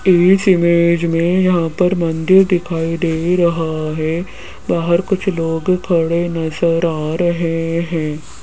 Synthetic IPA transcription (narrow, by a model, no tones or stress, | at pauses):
eːsɪmeːd͡ʒmẽjɐɦãːpɐɾmɐ̃nd̪ɪɾd̪ɪkʰaːid̪eːɾɐɦaɦɛː | baːɦəɾkʊt͡ʃʰloːɡkʰɐɽenɐzəɾaːɾɐɦeɦɛ̃ː